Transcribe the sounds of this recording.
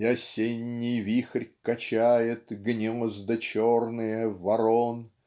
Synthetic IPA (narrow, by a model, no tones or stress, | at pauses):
jɐsʲenʲːɪjvʲixrʲkɐt͡ɕæjɪt̪ɡnʲezd̪ət͡ɕornɨjəvɐɾon